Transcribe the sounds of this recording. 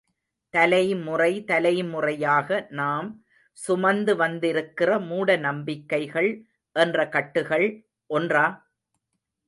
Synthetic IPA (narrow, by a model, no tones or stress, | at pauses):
t̪ɐlɐjmʊrɐɪt̪ɐlɐjmʊrɐjaːɣɐnaːm | sʊmɐnd̪ɯʋɐnd̪ɪɾɯkːɪrɐmuːɽɐnɐmbɪkːɐɪɣɐɭ | ʔɛndrɐkɐʈːɯɣɐɭ | ʔɔndraː